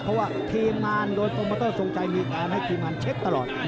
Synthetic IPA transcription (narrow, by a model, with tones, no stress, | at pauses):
pʰɔ˦˥waː˥˩t̪ʰiː˧mːaː˧ndoː˧jpʰo˧mpaː˧t̪oː˥˩so˨˧ŋt͡ɕa˧jmiː˧kaː˧nha˥˩jt̪ʰiː˧mːaː˧nt͡ɕʰe˦˥k̚t̪a˧lɔː˨˩t̪̚